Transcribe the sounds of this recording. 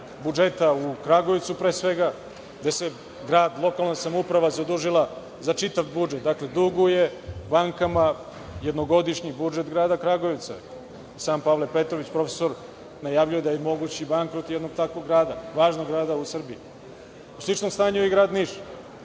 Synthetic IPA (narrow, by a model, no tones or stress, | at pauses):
bud͡ʒe̞t̪aukɾaɡo̞ʋit̪supɾeːsʋe̞ɡa | ɡd̪ese̞ | ɡɾaːd̪lˠo̞kalnasamoupɾaʋazad̪uʒilˠa | zat͡ʃit̪aʋbud͡ʒet̪̚d̪akle̞d̪uɡuje̞baŋkama | jed̪no̞ɡo̞d̪iʃɲibud͡ʒe̞t̪ɡɾaːd̪akɾaɡo̞ʋit̪sa̰ | isaːmpalˠe̞pe̞t̪ɾo̞ʋit͡ɕpɾo̞fe̥so̞ɾ | najaːʋʎuje̞d̪ajemo̞ɡut͡ɕibaŋkɾo̞t̪jed̪no̞ɡ̚t̪akʋo̞ɡɾaːd̪aʋaːʒnoɡɾaːd̪ausr̩bii | uslit͡ʃnomst̪aːɲuiɡɾaːd̪niːʃ